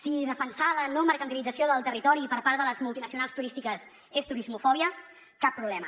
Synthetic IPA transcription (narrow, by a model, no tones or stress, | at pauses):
siðəfənsalənɔməɾkənt̪ilid͡zəsioðəlˠt̪ərit̪ɔɾipəɾpaɾðələzmulˠt̪inəsiunalˠst̪uɾist̪ikəs | est̪uɾizmufɔβiə | kapːɾuβlɛmə